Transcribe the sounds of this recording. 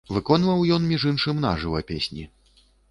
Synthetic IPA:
vɨkɔnvɐwjɔnmʲiʐɨnʂɨmna̰ʐɨwɐpʲesʲnʲḭ

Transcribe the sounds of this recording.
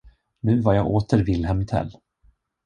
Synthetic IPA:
nʉ̟ːvaɾjɑːɡʔoːt̪əɾvɪlːɦɛmɪt̪ʰɛ̰lː

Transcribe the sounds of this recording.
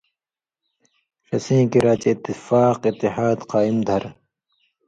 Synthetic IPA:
ɾɐsĩːkiɾaːt͡ɕeːt̪ːifaːqit̪ːiɦaːd̪qɑːimd̪ʱɐɾ

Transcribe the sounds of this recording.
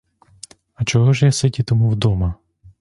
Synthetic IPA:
ɐt͡ʃɔɦɔʒjasɪtʲit̪ɔmuwd̪ɔmɐ

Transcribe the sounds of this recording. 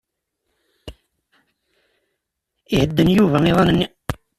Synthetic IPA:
ihəd̪ːənjuvæniðˤɑnən

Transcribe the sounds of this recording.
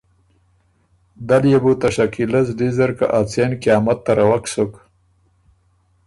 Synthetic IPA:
d̪aljebut̪aʃakilazd̪izaɾka̰ʔat͡senkjɑːmat̪ːaɾawaksok

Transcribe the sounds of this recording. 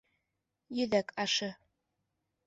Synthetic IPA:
jyðækʰɑʃɤ̆

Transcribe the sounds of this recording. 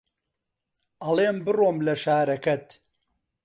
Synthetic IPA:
ʔɐleːmbɨroːmlɐʃaːɾɐkɐt̪

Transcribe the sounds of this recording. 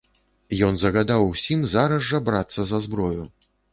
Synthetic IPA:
jɔnzɐɣad̪awsʲimzaɾɐzːɐbɾat̪sːɐzɐzbɾɔju

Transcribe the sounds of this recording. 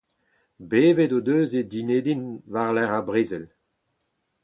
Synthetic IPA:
beːvedod̪øːzedineːdinvaʁlɛʁabʁeːzɛl

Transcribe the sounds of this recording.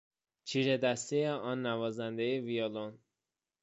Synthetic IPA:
t͡ʃʰiːɾed̪æst̪ejeɒnːævɒːzænd̪ejevijɒlon

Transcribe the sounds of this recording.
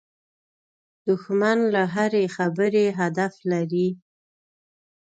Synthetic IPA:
d̪̥ʊxmanlaɦaɾexabəɾeɦad̪aflaɾi

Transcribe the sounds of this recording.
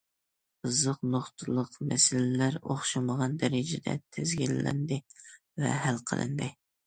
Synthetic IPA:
ɨzəqnoχt̪ʰɨlˠəqmɛsɪlɪlæɾo̰χʃɑməʁɑnd̪ɛɾɪd͡ʒɪd̪ɛ̰t̪ʰɪzɡʲilːɛ̰nd̪ɪ | vɛ̰hælqʰəlˠʔɨ̰nd̪ɨ

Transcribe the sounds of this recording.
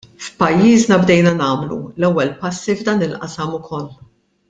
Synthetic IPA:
fpɐjːiːznɐbd̪ɛjnɐnɐːmlṵlɛwːɛlpɐsːivd̪ɐːnɪlʔɐsɐmʊkʰɔlː

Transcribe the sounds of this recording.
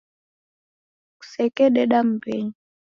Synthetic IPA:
ku̥sɛkɛɗɛɗam̩bɛɲi

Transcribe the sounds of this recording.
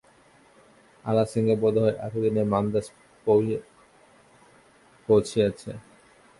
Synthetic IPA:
a̰lasiŋɡebɔd̪ʱoeʔa̰ʈʰed̪inemand̪as | pow | powt͡ɕʰijet͡ɕʰe

